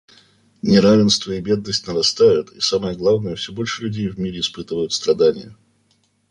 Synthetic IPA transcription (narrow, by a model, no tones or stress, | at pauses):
nʲɪɾavʲɪnst̪vəɪbʲe̞d̪nəsʲtʲnəɾɐst̪ajʊt̪isaməjəɡlˠavnəjəfsʲɵbo̞lʲʂɨlʲʉdʲejvmʲiɾʲɪɪspɨt̪əvəjʊt̪st̪ɾɐd̪anʲɪ̰jə